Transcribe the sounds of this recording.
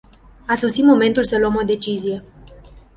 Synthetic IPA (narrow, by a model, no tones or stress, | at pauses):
aso̞sit̪mo̞me̞nt̪ulsəluəmo̞d̪e̞t͡ʃizije̞